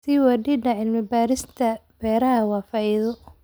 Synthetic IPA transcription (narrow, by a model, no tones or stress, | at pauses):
siwɑɖiːɖɐʕɪlmɪbaːɾɪst̪ʰɐb̥ɛːɾɐɦɐwɑːfɑiːðɔ